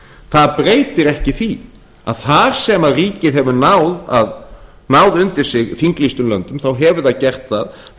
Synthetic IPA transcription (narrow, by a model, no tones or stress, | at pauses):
θaðpɾeːjt̪ɪɾɛhcɪθvi | a̰ðθaɾ̥sɛmaðriːcɪðɦɛvʏnawða̰ð | nawðʏnt̪ɪɾ̥sɪɣθiŋklist̪ʏmlœ̰nt̪ʏmθawɦɛvʏðaðcɛr̥t̪θað